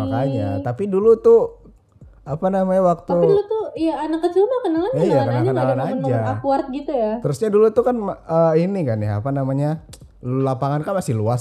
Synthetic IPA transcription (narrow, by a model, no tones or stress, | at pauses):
akad͡ʒa̰t̪apidulut̪u | apanamaɲawak̚t̪uilot̪ujaːnakːət͡ʃumakənalanijakənaɲkənalanad͡ʒaakuart̪̚ɡit̪ujat̪əɾusɲadulut̪ukanməinikanjaa̰panamaɲa | llapaŋankanmasɪhluas